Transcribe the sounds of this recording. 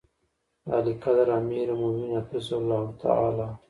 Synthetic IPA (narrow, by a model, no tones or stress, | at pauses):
a̰likad̪aɾamiːɾmominafɪzalːaːhut̪ʰa̰a̰laː